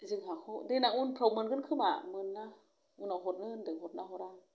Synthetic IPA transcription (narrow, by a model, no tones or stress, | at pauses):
zɯŋɦakodenaŋunpʰɾowmənɡənkʰɯma̰mɯnːa | unɔɦot̚ləndɯŋɦot̪̚naɦoɾa